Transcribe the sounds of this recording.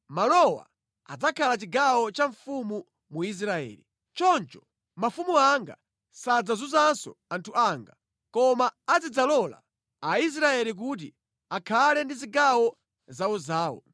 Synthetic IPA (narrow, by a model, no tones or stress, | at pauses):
malɔwa̰ | a̰d͡zakʰalat͡ʃiɡawɔt͡ʃaɱfumu | muis̬ɾaɛ̰ːli | t͡ʃɔnt͡ʃɔ̥ | mafumuaŋɡa̰ | sad͡zazuzansɔ̰antʰuʔaːŋɡa | kɔmaːd͡zid͡zalɔla̰ː | is̬ɾaɛlik̬ut̬i | akʰalɛndiziɡawɔ | zauzaːwɔ̰